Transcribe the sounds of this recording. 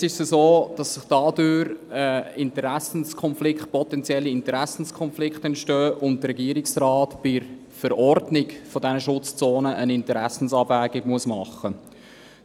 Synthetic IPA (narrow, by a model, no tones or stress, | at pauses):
sɪʃsəzoːd̥ɑsːɪχd̥ɑːdøːɾəɪntəɾæsən̩skʰɔnflɪkχt̚pɔtɛnt͡sjɛlːiɪntəɾæsn̩skʰɔnflɪkχtɛntʃtœːʔʊntdəɾɛɡiəɾɪksɾɑːtb̥ɪɾ | fəɾɔrdnɪɡfɔdɛnəʃʊt͡st͡soːnəʔənɪntəɾæsn̩sɑːbvæːɡɪɡmuəsmɑχə